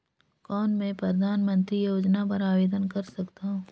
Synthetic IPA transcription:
kɔːnmẽpɾɐd̪ʱaːnmə̃nt̪ɾijoːd͡ʒnapɐɾaːʋeːd̪ənkɐɾsɐkt̪aɦũː

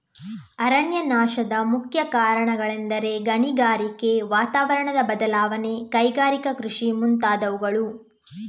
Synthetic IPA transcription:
ɐɾɐnjɐnaːʃɐd̪ɐmukʰjɐkaːɾɐɳɐɡɐɭɛnd̪ɐɾe̞ɡɐɳiɡaːɾike̞ʋaːt̪aːʋɐɾɐɳɐd̪ɐbɐd̪ɐlaːʋɐne̞kɐjɡaːɾikɐkɾuʂimunt̪aːd̪ɐʋuɡɐɭu

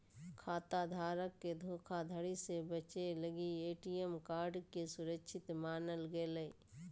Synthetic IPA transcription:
kʰaːt̪ad̪ʱaːɾəkːed̪ʱoːkʰad̪ʱəɽisebət͡ʃeləɡieːʈijemkaːɾɖkesʊɾəkʃʰɪt̪maːnəlɡeləi

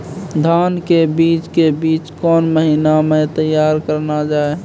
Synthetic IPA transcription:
d̪ʱaːnkebiːt͡ʃkebiːt͡ʃkɔːnməɦinamẽt̪əjːaːɾkəɾnad͡ʒaːe

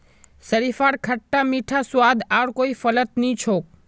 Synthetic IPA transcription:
səɾifaːɽkʰəʈːamiʈʰaswaːd̪aɽkoifələt̪nĩt͡ʃʰoːk̚

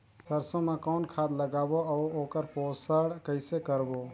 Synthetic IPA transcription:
səɾsõmãkɔːnkʰaːd̪ləɡaːboəːoːkəɾpoːsəɽkəɪsekəɾboː

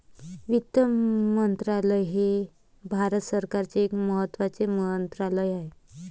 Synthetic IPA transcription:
ʋikt̪ːəmmənt̪ɾaləjɦe | bʱaɾət̪səɾkaɾt͡seːkməɦət̪ːʋat͡semənt̪ɾaləjaɦe

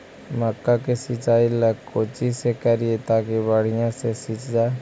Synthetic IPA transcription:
məkːakesɪt͡ʃaːiləɡkːoːt͡ʃisekəɾiet̪aːkebaːɽ̤ijãsesit͡ʃd͡ʒaː

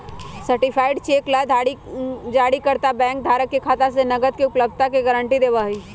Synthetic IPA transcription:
sɐɾʈɪpʰaːɪɖt͡ʃeːklad̪ʱaːɽid͡ʒaːɽikɐɾt̪abɛ̃ːŋk̚d̪ʱaːɾəkːikʰaːt̪asenɐɡət̪̚kiʊpləb̚d̪̚t̪akeɡəɾə̃ɳʈid̪eːʋaːɦiː

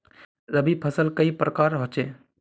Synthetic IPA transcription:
ɾəbʱipʰəsəlkəipɾəkaːɾɦot͡ʃeː

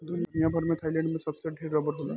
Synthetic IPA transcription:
d̪unijabʱaɾmẽt̪ʰajlẽɳɖmẽsʌbseɖʱeɾːɔbəɽɦola

